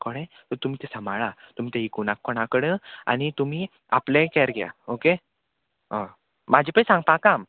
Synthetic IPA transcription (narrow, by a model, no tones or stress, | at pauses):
kɔɽẽt̪əɾt̪um̤iːt̪ɛsəmaɭat̪um̤it̪eɦikunakːɔɽakəɽəa̰nit̪um̤i | a̰plẽkɛɾɡɛa̰oke | ɦə̃ | mad͡ʑʱipəisãŋɡ̚pãkam